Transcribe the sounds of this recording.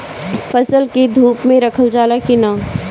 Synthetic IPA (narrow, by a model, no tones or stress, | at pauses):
fɐsəlked̪ʱuːpmẽɾɐkʰəld͡ʒaːlakinaː